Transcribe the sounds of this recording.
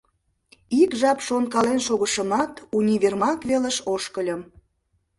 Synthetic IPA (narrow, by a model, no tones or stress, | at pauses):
ikʒɑpʃonkɑlenʃoɣəʃəmɑt̪unʲiβermɑkβeləʃoʃkəlʲə̆m